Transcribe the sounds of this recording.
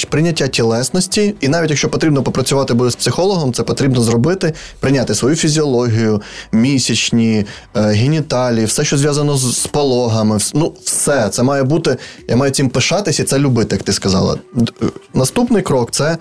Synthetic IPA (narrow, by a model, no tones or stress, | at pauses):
pɾɪnʲɐtʲːatʲilˠɛsnɔsʲtʲiinɑʋʲitʲjɐkʃt͡ʃɔpɔt̪ɾʲibnɔpɔpɾɐt͡sʲʊʋɑt̪ɪbud̪ɪspsɪxɔlˠɔɦɔmt̪sɛpɔt̪ɾʲibnɔzrɔbɪt̪ɪpɾɪnʲat̪ɪsʋɔjufʲizʲiɔlˠɔɦʲijʊmʲisʲɐt͡ʃnʲi | ɦʲenʲɪt̪ɑlʲiwsɛʃt͡ʃɔzʲʋjazɐnɔzpɔlˠɔɦɐmɪnuwsɛt̪sɛmɑjɛbut̪ɪjʔa̰mɑjʊt͡sʲimpɪʃɑt̪ɪsʲɐit̪sɛlʲʊbɪt̪ɪjɐkt̪ɪskɐzɑ̰lˠɐ̰ | nɐst̪upnɪjkɾɔkt̪sɛ